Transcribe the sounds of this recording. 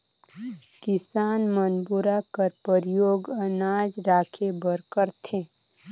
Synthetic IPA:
kɪsaːnmənbuɾakəɾpəɾjoːɡənaːd͡ʒɾaːkʰebəɾkəɾt̪ʰeː

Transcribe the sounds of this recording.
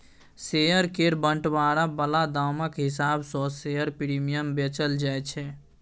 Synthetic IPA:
sejəɾkeɾbəɳʈbaɾabəlad̪awməkɦisabsɔ̃sejəɾpiɾimijəmbet͡ʃəld͡ʒajt͡ʃʰɛ

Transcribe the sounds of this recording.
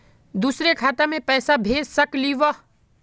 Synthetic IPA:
d̪usɾekʰaːt̪amẽpəːsabʱeːd͡ʒsəkliʋə

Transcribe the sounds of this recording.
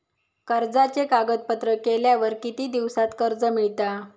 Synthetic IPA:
kəɾd͡zat͡ɕekaɡət̪̚pət̪ɾəkeljaʋəɾkit̪iːd̪iʋsat̪kəɾd͡zəmiɭt̪a

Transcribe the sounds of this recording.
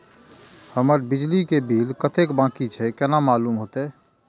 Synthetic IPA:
həməɾbid͡ʒlikebʱiːlkət̪ekbãkit͡ʃʰɛkɛnamaːlumɦoːt̪e

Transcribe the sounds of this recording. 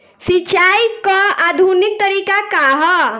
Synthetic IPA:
sit͡ʃajkɔad̪ʱunik̚t̪əɾikakaɦɔ

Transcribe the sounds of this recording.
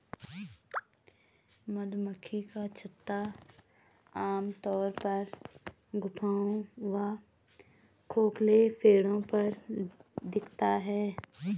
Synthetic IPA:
mɐd̪məkʰːikat͡ʃʰɐt̪ːa | aːmt̪ɔːɾpɐɾ | ɡʊpʰaːõʋa | kʰoːklepʰeːɽõpɐɾ | d̪ɪkʰt̪aɦɛː

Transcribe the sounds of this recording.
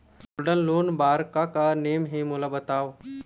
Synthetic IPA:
uɖənluːnbaːɾkakanemɦimulabət̪aʋ

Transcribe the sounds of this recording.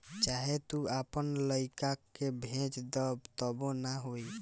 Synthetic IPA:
t͡ʃaɦet̪uapənləjkakːebʱẽt͡ʃd̪ɔbt̪ɔbonaɦoj

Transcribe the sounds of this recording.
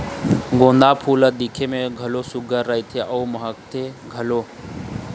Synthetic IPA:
ɡõːnd̪aːpʰuːləd̪ikʰemẽɡʱəloːsʊɡəɾːəit̪ʰeːʔəoməɦəkt̪ʰeːɡʱəloː

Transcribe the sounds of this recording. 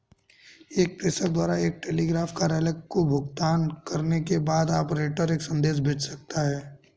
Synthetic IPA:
eːk̚p̪ɪsək̚d̪waːɾaeːk̚ʈeːliːɡɾaːfkaɾɛːləkːkobʱʊɡt̪aːnkɐɾnekebaːd̪aːpɾeːʈəɾeːksɐ̃nd̪eːsbʱeːt͡ʃsɐk̚t̪aɦɛː

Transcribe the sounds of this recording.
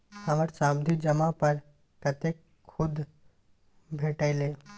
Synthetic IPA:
həməɾsamd̪ʱid͡ʒəmãpəɾ | kət̪ek | kʰːʊd̪ | bʱeːʈaɪle

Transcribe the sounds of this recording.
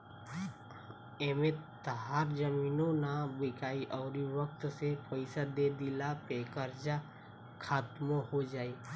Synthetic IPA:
emẽt̪əɦaːɾd͡ʒəmiːnõnabɪkaːiʔɔːɾiwək̚t̪sepəɪsad̪ed̪ɪlapeːkəɾd͡ʒa | kʰaːt̪mõhod͡ʒaːiː

